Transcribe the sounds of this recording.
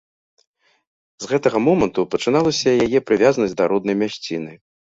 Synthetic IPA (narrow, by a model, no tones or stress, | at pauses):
zɣɛt̪ɐɣɐmɔmɐnt̪upɐt͡ʂɨn̪alˠɐsʲɐjajɛpɾɨvʲazɐnɐsʲd̪ɐɾɔd̪nɐjmʲaɕʲt͡sʲinɨ